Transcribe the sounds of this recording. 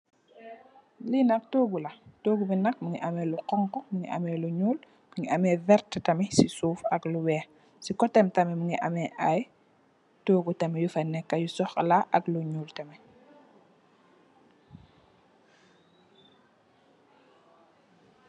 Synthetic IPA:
linɐk̚toːɡulɐtoːɡubinɐk̚muŋiʔɐmɛluqɔŋkɔmuŋḭʔɐ̰mɛluɲuːl | miŋɡiʔɐmɛvɛrttɐmɛsisuːfɐkluwɛː | sikɔtɛmtɐmɛmuŋiʔɐmɛʔaj | toːɡutɐmɛjufɐnɛkːɐjusɔxlaʔɐkluɲuːltɐmɛ

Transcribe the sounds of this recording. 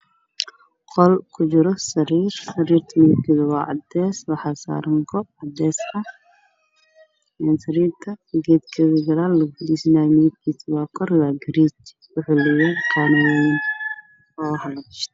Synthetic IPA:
qɔlkʰʊt͡ʃɪɾɔsɐɾiːrsɐɾiːrt̪ʰɐmɪðɪb̚kʰiːðɐwɑːʕɑ̰d̪ɛːswɑħɑsa̰ːɾɐŋɡʰɔb̚ʕɑd̪ɛːsɐ | ɛnsɐɾiːrt̪ʰɐɡɛːd̪kʰɛðɐɡɐɾaːlːɐkʊdisnaːjmɪðɪb̚kʰiːsɐwɑːkʰɔrwaːɡɐɾiːt͡ʃ | wʊħʊlɪjɛkʰanɐwɛn | ɔːhɐlɐɡɪʃt̪ʰɐ

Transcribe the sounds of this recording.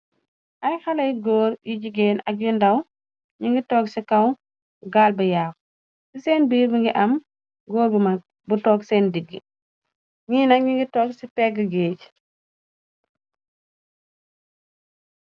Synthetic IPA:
ʔɐjxɐlɐjɡɔːɾjiɟiɡɛːnɐk̬̚jundɐw | ɲiŋɡitɔːksikɐw | ɡaːlbɐjaːk | susɛːnbiːɾbiŋɡiʔɐm | ɡɔːɾbumɐk̚ | butɔːksɛːndiɡːḭ | ŋiːnɐŋɡiŋɡitɔːksipɛːɡəɡeːɟ

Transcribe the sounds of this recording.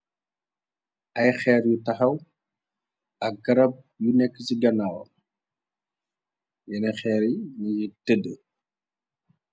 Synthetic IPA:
ɐjxɛːɾjutɐxɐw | ɐk̚ɡɐɾɐb̚ | junɛkːsiɡɐnaːwɐ̰ | jɛnɐxɛɾiɲijitədə

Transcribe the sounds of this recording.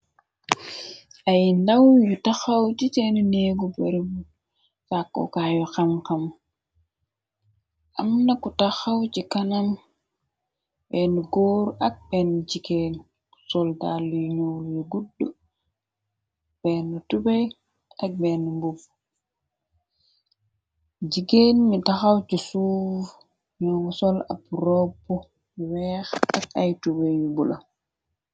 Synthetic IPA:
ʔajndawjɔtaxawt͡ʃitɛnuneːɡubɛɾbu | sakːɔ̰kajɔxamkam | ʔamnakutaxawt͡ʃikanam | bɛnuɡoːɾʔak̚bɛnd͡ʒikɛn | ku̥sɔldalujɔɲowljɔɡuɗːu | b̥ɛnɔtubɛj | ak̚bɛnumbub | d͡ʒikenmitaxawt͡ʃisuː | ɲɔwsɔla̰pɾɔpːɔ | wɛːxa̰kajtubɛjjubula

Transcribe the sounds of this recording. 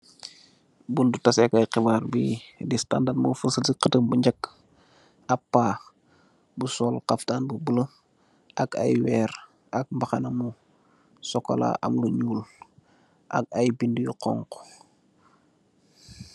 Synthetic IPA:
bundutasɛkajqibaːrbidistandamofunsətiqətəmbuɲɟakː | apːaː | busɔːlqaftaːnbubulə | ʔaka̰jwɛːɾ | ak̚mbaxanamu | sɔko̰la̰ʔa̰mluɲuːl | ʔa̰k̚ajbindujiqɔ̰ŋko̥

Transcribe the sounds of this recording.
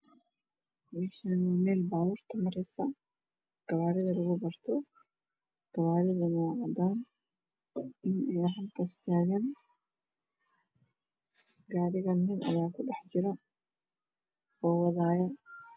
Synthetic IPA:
mɛʃɐnumɛːlbaːwʊrt̪ʰɐmɐɾɛsɐ | ɡ̥ɐβaːɾɪðɐlɐɣʊbɐrt̪ʰɔ | ɡ̥ɐβaːɾɪðɐmaːʕɐd̪aːn | ɪnɛjɦɐmkɐst̪ʰaːɣɐn | ɡaːɽɪɣɐnːɪnʔɐ̰jaːkʰʊɖɛħd͡ʒɪɾɐ | ɔːwɐðaːjɐ

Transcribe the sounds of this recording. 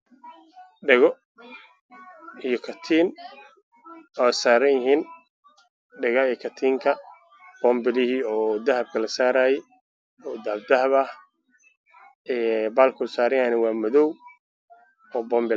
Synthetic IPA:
ɖɛɣɔ | ijɔkʰɐt̪ʰiːn | ɔsaːɾɐjɪɦiːn | ɖɪɣɐijkʰɐt̪ʰiːŋkʰɐ | b̥ɔːmbɪlɪhiːɔːd̪ɐhɐb̚kʰɐlɐsaːɾaːjɛ | ɔːd̪ɐhb̚d̪ɐɦɐβɐh | ɛːbaːlkʰʊsaːɾɐjanɪwɑːmɐðɔw | ɔːbɔːmbɪl

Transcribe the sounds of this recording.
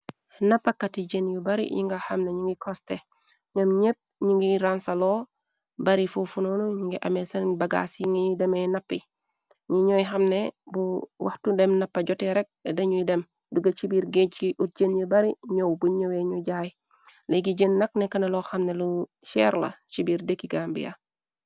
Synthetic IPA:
nɐpːɐkɐtiɟenjobɐɾḭɲḭŋɡaxɐmneɲuŋɡikɔste | ɲomɲep̚ɲuŋɡiɾansɐlɔː | bɐɾifufunonuɲuŋɡiʔɐ̰mɛsɐnbɐɡa̰sjiŋɡidɛmɛnɐpːi | ɲiɲojxɐmnebuwʔɐ̰xtudɛmnɐpːɐɟɔtɛɾɛk̚dɐɲujidɛm | duɡɐt͡ʃibiːɾɡet͡ʃiʔut̚ɟənjəbɐɾiɲowbuɲoweɲuɟaːj | leɡiɟənːɐk̚nɛkɐnɐlɔxɐmnelu | ʃɛ̰ɾlɐ̰t͡ʃibiːɾdekːiɡaːmbḭja̰

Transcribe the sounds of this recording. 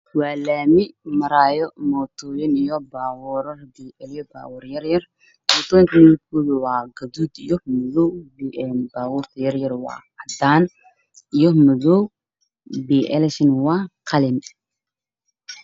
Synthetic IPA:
waːlaːmɪmɐɾaːjɔmɔːt̪ʰɔːjɛnijɔbaːwʊɾɐrbiʔɛljɔba̰ːwʊɾjɐɾjɐr | mɔːt̪ɔːnt̪ʰnikulwaːɡɐd̪uːd̪ijɔmɔðɔwbiʔɛnbaːwʊrt̪ʰɐjɐrjɐrwɑ̰ː | ɐd̪aːn | ijɔmɐðɔw | biːʔɛlɛʃɪnwɑːqʰɐlɪn

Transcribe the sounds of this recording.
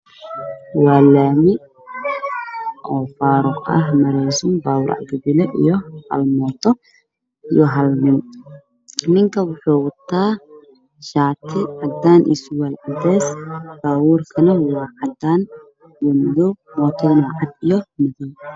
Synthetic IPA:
waːlːaːmɪ | ʔɔːfaːɾʊqʔɐ̰ɦmɐɾɛːzumbaːwʊɾʔa̰ʕɡɐbɪlɛʔɪ̰jɔhɐ̰lmɔːt̪ʰɔ | ʔɪjɔɦɐlmɪn | nɪŋkɐwʊħuːwʊt̪ʰːaː | ʃaːt̪ʰɪʕad̪aːnʔḭsʊwɐlʕad̪ɛːsb̥aːwuɾkʰɐnɐwaːʕad̪aːn | wʊnd̪ɔmɔːt̪ʰɔnaːʕad̪ɪjɔmɪði

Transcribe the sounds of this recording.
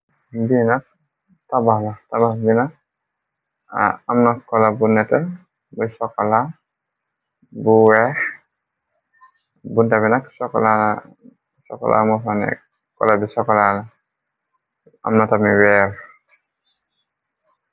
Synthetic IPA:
binat | tabalatababina | amnakɔlabunːɛtɛ | bisɔkɔla | buwɛ | buntaβinaksɔkɔ̰la | sɔ̰kɔ̰lʔa̰mɔanɛ̰ | kɔ̰labisɔkɔlala | a̰mnatamiwɛb

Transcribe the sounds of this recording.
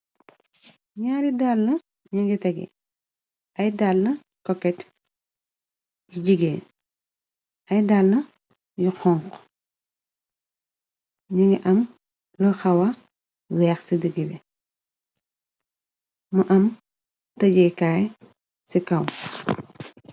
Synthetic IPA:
ɲaːɾidalːɐ | ɲiŋɡitɐɡɛ̰ | ɐjdalːɐ | kɔkːɛt | jiɟiɡɛː | ʔɐjdaːlːɐ | jixɔŋk | ɲiŋɡiʔɐm | lɐxɐwɐ | wɛːxsidəɡibɛ | mɐʔɐm | ttɐɟɛkaːj | sikɐw

